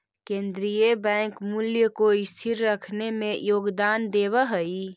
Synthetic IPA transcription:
kẽːnd̪ɾijebɛ̃ːŋkmuljəkoɪst̪ʰiɾːəkʰnemẽjoːɡd̪aːnd̪eːbəɦəi

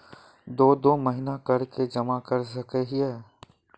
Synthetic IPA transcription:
d̪oːd̪oːmɐɦɪnakɐɾked͡ʒɐmakɐɾsɐkeɦiɦɛː

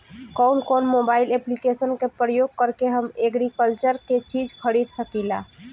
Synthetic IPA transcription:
kɔwnkonmobaileplikesənkepɾəjoɡ̚kəɾkeɦəmeɡɾikəlt͡ʃəɾket͡ʃid͡ʒʱkʰəɾid̪səkila̰

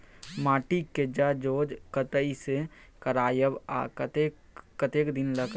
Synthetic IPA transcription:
maːʈiked͡ʒad͡ʒoːd͡ʒkət̪əisekəɾaːjəbat̪e | kət̪eːkd̪ɪnləɡ

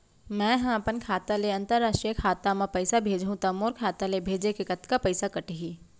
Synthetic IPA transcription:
mɛ̃ːɦãɐpənkʰaːt̪aleɐ̃nt̪əɾːaːʃʈɾijəkʰaːt̪amãpɐɪsabʱeːd͡ʒʱɦũt̪ɐmoːɾkʰaːt̪alebʱeːd͡ʒekekɐt̪kapɐɪsakɐʈɦiː

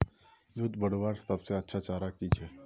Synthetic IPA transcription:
d͡ʒʊt̪bəɽʋaːɾsɐbseɐtːʃʰat͡ʃaːɾakit͡ʃʰɛː

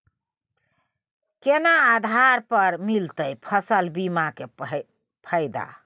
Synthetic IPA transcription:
kenaːd̪ʱaɾpəɾmilt̪əjpʰəsəlbimake | pʰəɪd̪a̰

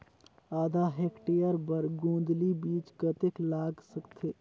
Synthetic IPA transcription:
aːd̪ʱaɦekʈejəɾbəɾɡũ̆ːd̪libiːt͡ʃkət̪eklaːɡsəkt̪ʰe

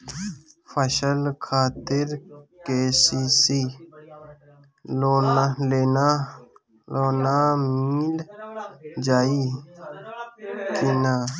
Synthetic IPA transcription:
fʰəʃəlkʰaːt̪ɪɾkeːsiːsi | lonleːna | loːnaːmiːl | d͡ʒaːi | kinaː

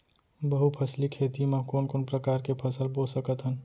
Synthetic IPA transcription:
bəɦupʰəslikʰeːt̪imãkoːnkoːnpɾəkaːɾkepʰəsəlbosəkət̪ɦən

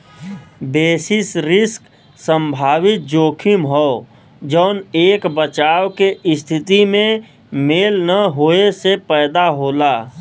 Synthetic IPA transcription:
beːsɪsɾɪsk | sə̃mbʱaːwɪt̪̚d͡ʒoːkʰɪmɦɔː | d͡ʒɔːʊneːkbət͡ʃaːwkeɪst̪ʰɪt̪imẽ | meːlnəɦoːesepɛːd̪aɦoːlaː

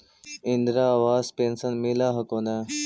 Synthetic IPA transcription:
ɪnd̪ɾaʋaːzpẽːnsənmilaːɦɐkõːnd̪a

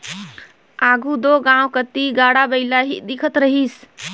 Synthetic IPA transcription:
aːɡʱud̪oɡãwkət̪iɡaːɽabəɪlaɦḭd̪ɪkʰət̪ɾəɦiːs

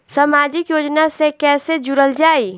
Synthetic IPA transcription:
samaːd͡ʒɪkjoːd͡ʒnasekɛːsed͡ʒʊɾəld͡ʒaːi

